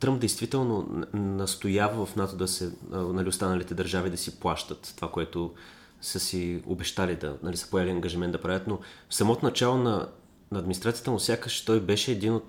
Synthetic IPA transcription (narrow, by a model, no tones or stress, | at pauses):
t̪ɾɤmp̚d̪ɛjst̪vit̪ɛlˠnonɐst̪ojavəvɐfnat̪od̪ɐsɛnɐlʲiost̪anəlit̪ɛd̪ɐɾʒavid̪ɐsiplˠaʃt̪ət̪t̪ovakoɛt̪ʊ | səsio̰bɛʃt̪alid̪ɐ̰nɐlisə̥pojaliɐŋɡəʒimɛnt̪d̪ɐpɾavʲət̪nofsɐmɔt̪onɐt͡ʃalˠonɐ | nɐːd̪minist̪ɾat̪sijət̪əmʊsʲjakəʃt̪ɔjbɛʃɛːd̪inot̪